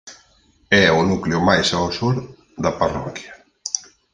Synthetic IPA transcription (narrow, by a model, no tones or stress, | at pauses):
ɛʊnukleʊmajsaosuɾ | ðaparɔkja